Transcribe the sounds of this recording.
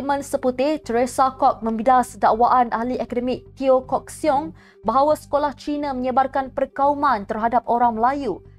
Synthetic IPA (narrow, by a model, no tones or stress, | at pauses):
mə̃nsəput̪ɪht̪əɾesakɔk̚mə̃mbidasdaʔwaʔanʔaɦliʔɛkadəmik̚t̪iokɔk̚siɔŋ | baɦawasə̥kolaht͡ʃinãmə̃ɲəbarkanpərkaumãnt̪ərɦadap̚oɾaŋməlaju